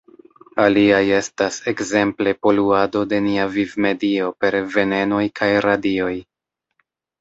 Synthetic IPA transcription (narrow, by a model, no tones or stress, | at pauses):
aliaje̞stase̞kze̞mple̞po̞luado̞de̞niavivme̞dio̞pe̞ɾve̞ne̞no̞jkʰajɾadio̞j